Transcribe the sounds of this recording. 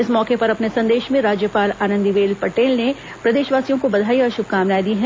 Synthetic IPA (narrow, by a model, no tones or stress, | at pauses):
ɪsmɔːkepɐɾɐpnesɐ̃nd̪eːʃmẽɾaːd͡ʒjəpaːlaːnə̃nd̪iʋeːlpɐʈeːlne | pɾɐd̪eːʃʋaːsijõkobɐd̪ʱaːiɔːɾʃʊb̚kaːmlaːid̪iɦɛ